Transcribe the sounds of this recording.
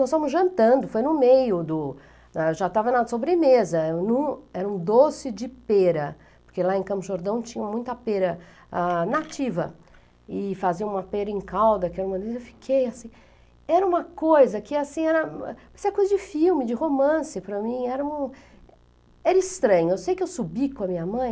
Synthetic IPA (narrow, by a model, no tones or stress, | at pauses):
nɔst̪avɐ̃mʊzʒɐ̃nt̪ɐ̃nd̪ʊfojnʊmejʊd̪ʊ | aʒat̪avɐnad̪ɐsobɾɪmezɐnũɛɾɐũd̪osɪd͡ʒɪpeɾɐ | pʊɾkelaẽkɐ̃mpʊʒoɾd̪ɐ̃w̃t͡ʃĩɲɐmũj̃t̪ɐpeɾɐ | anat͡ʃivɐ̰ | ɪfaziɐ̃ũmɐpeɾɐẽkawd̪ɐkɛɾɐũmɐd̪ezewfi̥kʰejasĩ | ɛɾɐũmɐkojzɐkɪasĩɛɾɐ̰pɐseɾɐkojzɐd͡ʒɪfiwmɪd͡ʒɪhomɐ̃sɪpɾɐmĩɛɾɐ̃ũ | ɛɾɐɪst̪ɾɐ̃ɲʊewsejkɪewsubikõw̃ɐmĩɲɐmɐ̃j̃